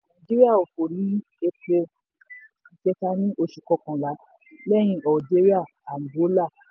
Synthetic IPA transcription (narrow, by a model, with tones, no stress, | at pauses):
nã˨d͡ʒi˦ɾi˦a˦˨o˨fo˨ɾi˨˦ | e˧ko˧ | i˨d͡ʒɛ˧ta˧nĩ˦ʔo˧ʃu˨kɔ˧˦kɔ̃˨la˨˦ | lɛ˦j̃ĩ˧ʔɔ˨d͡ʒe˦ɾi˦a˦˨ | a˨ŋ˨ɡo˨˦la˦˨